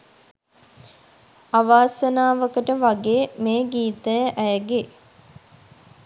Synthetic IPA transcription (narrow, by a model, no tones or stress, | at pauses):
aʋaːsənaːʋəkəʈəʋaɡeːmeːɡiːt̪əjəʔæjəɡe